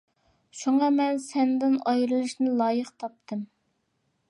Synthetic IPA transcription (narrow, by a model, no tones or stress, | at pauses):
ʃuŋɑmɛnsɛnd̪ɪnɑjɾɨlˠɨʃnɪlˠɑːjəqt̪ʰɑp̚t̪ʰɨm